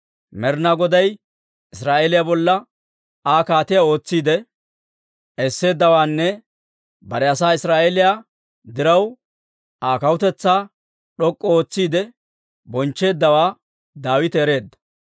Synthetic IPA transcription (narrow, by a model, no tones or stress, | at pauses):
mɛɾnaɡɔd̪ɐj | ɪsɾaːʔeːlɪjaːbɔlːɐ | aːkaːt̪ɪjao̞ːt͡sːiːd̪ɛ | ʔɛsːe̞ːd̪ːɐwaːnːɛ | bɐɾɛɐsaːɪsɾaːʔelɪjaː | d̪ɪɾɐw | aːkɐwʊt̪ɛt͡sːaː | ɗɔkʼːɔoːt͡sːiːd̪ɛ | bɔnt͡ʃːe̞ːd̪ːɐwaː | d̪aːwɪt̪ɛɛːɾe̞ːd̪ːɐ̥